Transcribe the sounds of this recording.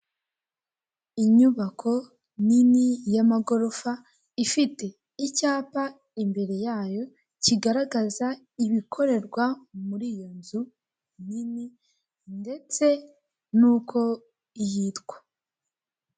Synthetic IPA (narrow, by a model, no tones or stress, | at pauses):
iɲuβakʰo̞ | ninijamaɡo̞ɾofa | ifite̞ | icaːpa | imbe̞ɾe̞jaːjo̞ | ciɡaɾaɡaza | iβikʰo̞ɾe̞ɾɡwamuɾijo̞nzu | nini | nde̞t͡se̞ | nuːkʰo̞ | ihitɡ̥wḁ